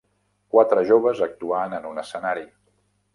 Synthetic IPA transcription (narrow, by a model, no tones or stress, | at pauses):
kwat̪ɾəʒoβəzək̚t̪uanənunəsənaɾi